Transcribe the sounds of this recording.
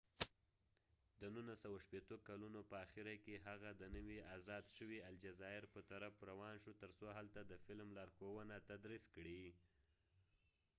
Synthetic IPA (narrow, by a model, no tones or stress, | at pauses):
d̪ənunasawaʃpet̪okalunopəaxiɾakeɦaɣad̪ənəwiazɑd̪ʃəwiald͡ʒazɑɪɾpət̪aɾafɾawɑnʃut̪əɾsoɦalt̪ad̪əfɪlmlɑɾxowənat̪ad̪ɾiskɽi